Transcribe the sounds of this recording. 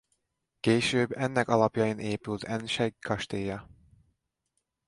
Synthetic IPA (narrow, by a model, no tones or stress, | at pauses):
keːʃøːbːɛnːɛkɒlɒpjɒjinʔeːpylt̪ʰɛnʃɛɡkɒʃt̪eːjɒ